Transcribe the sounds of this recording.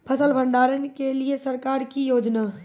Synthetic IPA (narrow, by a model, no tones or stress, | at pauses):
pʰəsəlbʱə̃ɳɖaːɾənkeliesɐɾkaːɾkijoːd͡ʒnaː